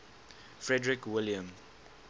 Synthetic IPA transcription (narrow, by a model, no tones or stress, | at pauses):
fɹɛdɹikwɪljə̃m